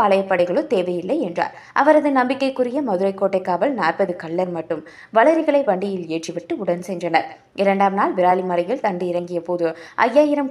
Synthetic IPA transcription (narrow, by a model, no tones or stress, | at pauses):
aːɭɐjɐpːɐɽɐɪɣɐɭɯt̪eːʋɐjɪlːɐɪɛndra̰ːɾ | ʔɐʋɐɾɐðɯnɐmbɪkːɐɪkːɯɾɪjɐmɐðɯɾɐɪkːoːʈːɐɪkːaːʋɐlnaːrpɐðɯkɐɭːɐɾmɐʈːɯm | ʋɐɭɐɾɪɣɐɭɐɪʋɐɳɖɪjɪleːʈriʋɪʈːɯʊɽɐnsɛndrɐnɐɾ | ɪɾɐɳɖaːmnaːlʋɪɾaːlimɐɾɐjɪlt̪ɐɳɖɯɪɾɐŋɡɪjɐpoːðɯʔɐ̰jːaːjɪɾɐm